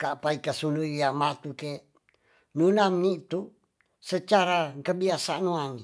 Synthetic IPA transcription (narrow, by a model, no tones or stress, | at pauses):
kaʔpaikasunuiamat̪uke | nunamnit̪u | sət͡ʃaɾakəbiasanuani